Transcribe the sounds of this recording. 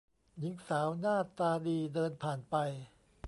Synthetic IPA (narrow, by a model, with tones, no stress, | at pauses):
ji˨˩˦ŋsaː˩˦wnaː˥˩t̪ːaː˧diː˧dɤː˧npʰaː˨˩npa˧j